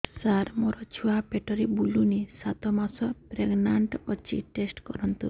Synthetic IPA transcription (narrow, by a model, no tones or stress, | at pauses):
saɾmoɾɔt͡ʃʰuapeʈɔɾibulunisat̪ɔmasɔpɾeɡnaɳʈɔt͡ʃʰḭʈesʈkɔɾɔnt̪ṵ